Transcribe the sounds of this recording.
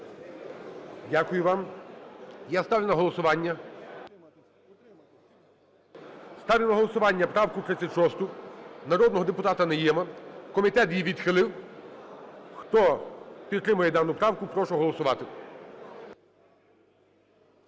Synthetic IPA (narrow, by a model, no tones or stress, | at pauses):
dʲakʊjʊʋɑm | jast̪ɑʋʲnɐɦɔlˠɔsʊʋɑnʲːɐ | st̪ɑʋʲlʲnɐɦɔlˠɔsʊʋɑnʲːɐpɾɑwkʊt̪ɾɪt͡sʲːɐtʲʃɔst̪ʊnɐɾɔd̪nɔɦɔd̪epʊt̪ɑt̪ɐnɛjɛmɐkɔmʲit̪ɛt̪jiʋʲid̪xɪlˠɪw | xt̪ɔpʲit̪t̪ːɾɪmʊjɛd̪ɑnʊpɾɑwkʊpɾɔʃɔɦɔlˠɔsʊʋɑt̪ɪ